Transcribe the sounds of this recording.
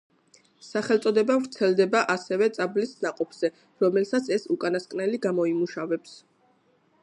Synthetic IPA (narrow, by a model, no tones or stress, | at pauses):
saχɛlt̪sʼɔd̪ɛbavɾt̪sʰɛld̪ɛbaʔasɛvɛt̪sʼablisnaqʼɔpʰz̥ɛ | ɾɔmɛlsat̪sʰɛsukʼanaskʼnɛliɡamɔimuʃavɛps